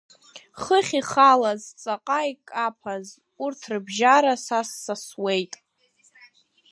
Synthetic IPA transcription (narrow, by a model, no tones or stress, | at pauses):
χəχʲiχalazt͡sʼaqʼaikʼapʰaz | urtʰrɨbʒaɾasasːaswe̞jtʼ